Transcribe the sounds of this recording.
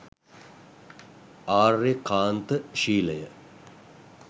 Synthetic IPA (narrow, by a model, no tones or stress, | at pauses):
aːrːekaːnt̪əʃiːləjə